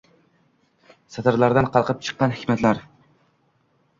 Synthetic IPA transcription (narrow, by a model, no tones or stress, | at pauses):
sat̪ʰaɾlˠaɾd̪anqʰɑlˠqʰɨp̚t͡ʃʰɨ̥qːɑnhɪkʲmat̪laɾ